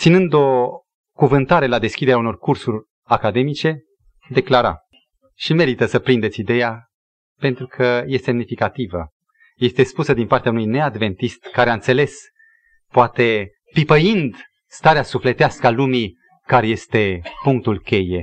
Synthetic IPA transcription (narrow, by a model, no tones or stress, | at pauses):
t̪sinɨnd̪o̞ | kuvɨnt̪aɾe̞lad̪e̞skʲid̪e̞ɾeauno̞rkursurʲ | akad̪e̞mit͡ʃe̞ | d̪e̞klaɾa̰ | ʃime̞ɾit̪əsəpɾind̪esid̪e̞ja | pe̞nt̪ɾukʰəje̞sse̞mnifikat̪ivə̰ | je̞st̪e̞spusəd̪inpart̪eaunujne̞ad̪ve̞nt̪ist̪kaɾeaɨnt̪se̞le̞s | poat̪e̞ | pipəjind̪ | st̪aɾeasufle̞t̪easkəalumi | kaɾejest̪e̞puŋk̚t̪ulkʲe̞je̞